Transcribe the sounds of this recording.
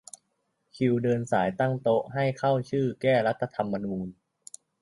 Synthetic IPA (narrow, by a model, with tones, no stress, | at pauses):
kʰi˧wdɤː˧nsaː˩˦jt̪a˥˩ŋt̪o˦˥ʔɦa˥˩jkʰa˥˩wt͡ɕʰɯː˥˩kɛː˥˩la˦˥t̪ʰːa˧t̪ʰa˧mːa˧nuː˧n